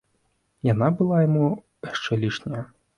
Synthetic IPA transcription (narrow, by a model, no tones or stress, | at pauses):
jɐnɑbʊlˠɑjɔmu | ɛʃt͡ʃɛlʲiʃnʲɐjɐ